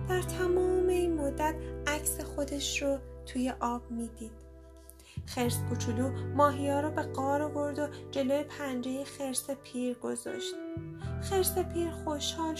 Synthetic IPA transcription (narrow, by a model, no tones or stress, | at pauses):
d̪̥æɾt̪ʰæmɒːmeiːnmod̪ːæt̪ʔæcsexo̞d̪e̞ʃɾot̪ʰuːje̞ʔɒːb̥̚miːd̪iːd̪̥ | xeɾskʰut͡ʃʰuluːmɒːɦijɒːɾɔbe̞ɡɒːɾovoɾd̪o̞d͡ʒe̞lojepʰænd͡ʒejixe̞ɾsepʰiːɾɡo̞zɒ̰ʃt̪xe̞ɾsepʰiːɾxoʃhɒːl